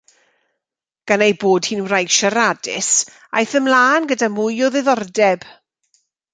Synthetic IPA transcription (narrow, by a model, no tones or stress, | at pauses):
ɡ̥anejboːd̥hiːnwrajʃaɾadɪs | a̰jθəmlaːnɡədamʊjɔðɪðɔrdɛb̥